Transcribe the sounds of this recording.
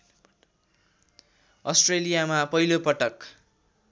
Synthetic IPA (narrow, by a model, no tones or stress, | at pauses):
ʌsʈrelijamapʌilopʌʈʌk